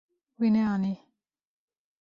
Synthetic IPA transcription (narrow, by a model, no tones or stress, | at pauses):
wineani